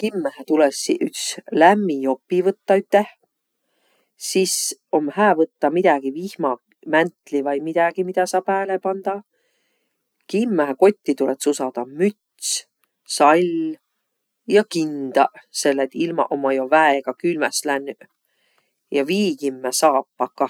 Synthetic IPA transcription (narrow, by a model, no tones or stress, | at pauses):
kimːæhæt̪ulesiʔykslæmːio̞pːivɤt̪ːɑyt̪ːe̞ | siso̞mhæːvɤt̪ːɑmid̪̥æɡ̥ivihmɑ | mænt̪ˑlivɑjmid̪æɡ̥imid̪̥æsɑːpæːlepɑnd̪̥ɑ | kimːæɦko̞t̪ʲːit̪ulet̪susɑd̪̥ɑmyt̪s | sɑlʲ | jɑkind̪̥ɑse̞lːet̪ilmɑ̰ʔomɑjovæeɡ̥ɑkylmɛslænː | jɑviːɡ̥imːæsɑːpːɑkːɑ